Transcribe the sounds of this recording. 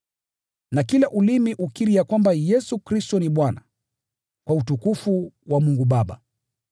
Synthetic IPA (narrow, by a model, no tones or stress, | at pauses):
nakilaʔulimiʔukiɾiakwambajɛsukɾistɔniɓwana | kwautukufuwamuŋɡuɓaɓa̰